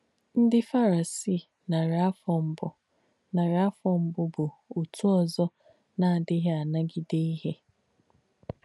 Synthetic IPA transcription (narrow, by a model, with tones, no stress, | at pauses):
n̩˦dɪ˦fa˦ɾa˨si˦˨ | na˨ɾa˦fɔ˨m̩˦bʊ˦ | na˨ɾɪ˨a˦fɔ˨m̩˦bʊ˦bʊ˨u˨tu˦ɔ˨zɔ˦ | na˨dɪ˦ɦe˦a˨na˦ɡi˦de˦i˦ɦe˦